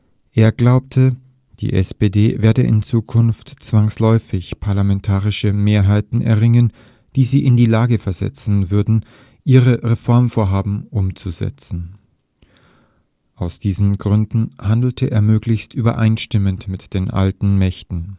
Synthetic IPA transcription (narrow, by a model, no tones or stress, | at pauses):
ʔeːɐɡlaʊp̚tʰə | d̥ḭːʔɛspedeːveːɐdəʔɪ̰nt͡suːkʰʊnftt͡sv̥aŋslɔʏfɪçpʰaɐlamɛntʰaːʁɪʃəmeːɐɦaɪtn̩ʔɛ̰ɐʁɪŋən | d̥iːziːʔɪndiːlaːɡəfɛɐzɛ̰t͡sn̩vʏɐdn̩ | ʔiːʁəʁefɔɐmfoːɐɦaːbm̩ʔʊmt͡suzɛ̰t͡sn̩ | ʔaʊsd̥iːzn̩ɡʁʏndn̩handl̩tʰəʔḛːɐmøːklɪçstʔyːbɐ̰ʔa̰ɪnʃtɪməntmɪtd̥eːnʔa̰ltn̩mɛçtn̩